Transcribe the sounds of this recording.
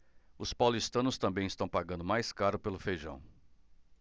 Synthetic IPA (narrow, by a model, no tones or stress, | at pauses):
ʊspawlist̪ɐ̃nʊst̪ɐ̃mbẽj̃ɪst̪ɐ̃w̃paɡɐ̃nd̪ʊmajskaɾʊpelʊfejʒɐ̰̃w̃